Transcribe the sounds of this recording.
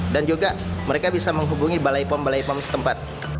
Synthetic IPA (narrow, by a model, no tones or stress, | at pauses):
dand͡ʒuɡaməɾekabisaməŋɦubuŋibalajpɔmbalajpɔmsə̥t̪əmpat̪̚